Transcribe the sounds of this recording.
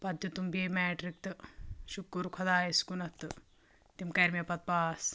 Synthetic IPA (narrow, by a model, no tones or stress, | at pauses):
pɐd̪jut̪umbeːmeːʈɾik̚t̪ɨʃukːuɾkʰɐd̪aːjiskunɐt̪ːɨ | t̪imkɐɾmɐpɐt̪̚paːs